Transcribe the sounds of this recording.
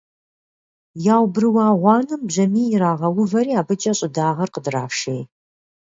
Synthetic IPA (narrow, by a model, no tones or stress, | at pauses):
jaːwbrɨwɑːʁʷɑːnɨmbʑɐmiːjɪɾaːʁɐwʊvɐɾiːaːbɨt͡ʃʼɐɕʼɪdaːʁɐrqədra̰ːʃej